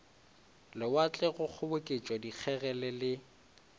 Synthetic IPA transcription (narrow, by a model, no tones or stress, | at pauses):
lɪwat͡ɬʼɛɣʊk͡xʰʊbʊkʼɪt͡ʃʼwɔdik͡xʰɛɣɛlɛlɪ